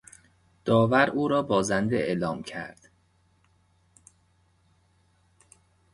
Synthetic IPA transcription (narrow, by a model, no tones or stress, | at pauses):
d̪̥ɒːvæɾʔuːɾɒːbɒːzænd̪eeːlɒːmcʰæ̰ɾd̪̥